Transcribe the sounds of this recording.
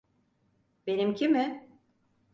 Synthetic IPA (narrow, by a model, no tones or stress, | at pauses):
be̞nimcʰimɪ